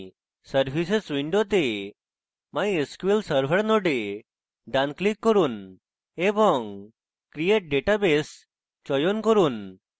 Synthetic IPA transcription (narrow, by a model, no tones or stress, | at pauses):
səɾbʱisesʋiɳɖot̪̬e | majeskʋelsəɾbʱəɾnɔɖe | ɖanklikːɔɾun | ebɔŋ | kɾijeʈ̚ɖeʈabes | t͡ʃɔjonkɔɾun